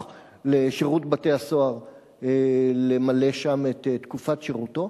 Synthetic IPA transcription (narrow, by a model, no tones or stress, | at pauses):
leʃeʁutbate̞aso̞aʁ | elemale̞ʃamet̪etːkufatʃeʁuto̞